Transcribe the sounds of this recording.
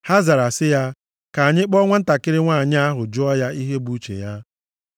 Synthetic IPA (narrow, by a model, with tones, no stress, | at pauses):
ha˦za˨ɾa˨sɪ˦ja˦ | ka˨a˨ɲɪ˦k͡pɔ˦ŋʷa˦n̩˦ta˨kɪ˦ɾɪ˦ŋʷaː˦˨ɲɪ˦a˦ɦʊ˨d͡ʒʊ˦ɔ˦ja˦i˦ɦe˦bu˦t͡ʃḛ˨ja˦